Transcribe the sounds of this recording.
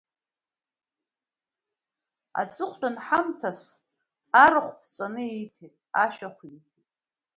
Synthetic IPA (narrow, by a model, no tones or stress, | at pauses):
a̰t͡sʼɨχʷdʼanħamtʰas | aɾaχʷpʰt͡sʼanɨitʰetʼaʃaχʷitʰetʼ